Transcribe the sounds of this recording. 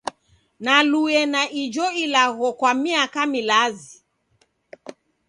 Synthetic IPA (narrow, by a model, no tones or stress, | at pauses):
naluɛnaʔid͡ʒɔilaɣɔkwamiakamilazi